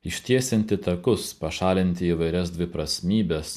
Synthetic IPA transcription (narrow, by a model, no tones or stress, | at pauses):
ɪʃʲt̪ʲiɛsʲɛnʲt̪ʲɪt̪ɐkʊspɐʃɑːlʲɪnʲt̪ʲɪiːʋɐɪɾʲɛsd̪ʲʋʲɪpɾɐsʲmʲiːbʲɛs